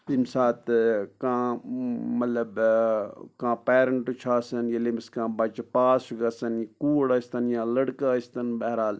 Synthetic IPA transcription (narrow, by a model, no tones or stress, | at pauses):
limsaːt̪kãː | mɐt̪lɐb | kãːpeːɾəɳʈt͡ʃʰaːsɐnjilimskãːbɐt͡ʃpaːsɡɐsɐnkuːɽɐst̪ɐnjãːlɐɽkaːist̪ɐnbɐɦɾaːl